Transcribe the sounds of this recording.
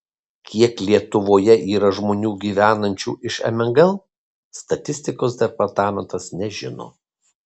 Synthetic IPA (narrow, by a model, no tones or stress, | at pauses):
kʲiɛklʲiɛt̪ʊʋoːjɛʔiːɾɐʒmoːnʲuːɡʲiːʋʲæːnɐnʲt͡ʃʲṵːʔɪʃɛ̰mʲɛŋɡɐlˠ | st̪ɐt̪ʲɪsʲt̪ʲɪkoːs̬d̪ʲɛpɐɾt̪ɑːmʲɛnt̪ɐsnʲɛʒʲɪno̰ː